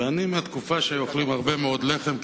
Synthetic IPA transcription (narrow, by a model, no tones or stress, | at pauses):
animːeat̪kufaʃejoχlimhaʁbe̞meo̞d̪leχe̞m